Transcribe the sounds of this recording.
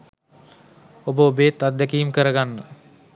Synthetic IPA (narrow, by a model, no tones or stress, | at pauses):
obəobeːt̪at̪̚d̪ɛkiːmkəɾəɡanːə